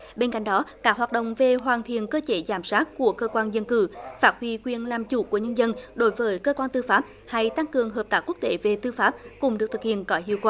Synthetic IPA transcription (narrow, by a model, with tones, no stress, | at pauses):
ɓe˧nka̰˧˨ŋ̟ɗɔ˨˦kaː˦˥k̚ɦwaː˨˩t̚ɗə̰˧˨wŋ͡mve˨˩ɦwaː˨˩nt̪ʰḭ˨˧˨ənkəː˧t͡ɕe˨˦zaː˧˩msaː˦˥t̚ku˧˩əkəː˧kwaː˧nzə˧nkɨ̰˧˩faː˦˥t̚hwi˧kwi˨˩ənlaː˨˩mt͡ɕṵ˧˩ku˧˩əɲə˧nzə˧nɗo˨˦jvəː˨˦jkəː˧kwaː˧nt̪ɨ˧faː˦˥p̚ | ha˧jt̪a˧ŋkɨ˨˩əŋɦəː˨˩p̚t̪aː˦˥ku˦˥ək̚t̪e˨˦ve˨˩t̪ɨ˧faː˦˥p̚kʊ˨˧˩ŋ͡mɗɨ˨˩k̚t̪ʰɨ˨˩k̚hḭ˧˨ənkɔ˨˦ɦḭ˧˨əwkwaː˧˩